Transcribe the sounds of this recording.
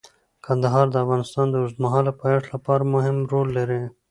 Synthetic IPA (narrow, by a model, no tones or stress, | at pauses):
kɐnd̪aɦɑːɾd̪əafɣɑnɪst̪ɑːnd̪əʊzd̪maɦɑːlapɑeʈlapɑɾamʊɦɪmɾolːɐɾe